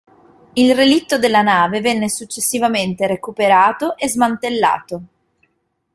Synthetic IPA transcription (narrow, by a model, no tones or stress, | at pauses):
ilrelit̪ːod̪elːanaːvevɛnːesut͡ʃːesːivament̪eɾekupeɾaːt̪oʔezmant̪elːa̰ːt̪o